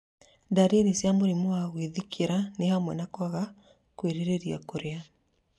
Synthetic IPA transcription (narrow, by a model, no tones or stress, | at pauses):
daɾeɾesjamoɾimoaɣweðikʰeɾanehamwɛnakwaɣa | kweɾeɾeɾia̰koɾea